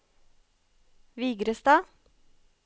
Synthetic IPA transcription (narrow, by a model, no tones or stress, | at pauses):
ʋiːɡɾəst̪ɑː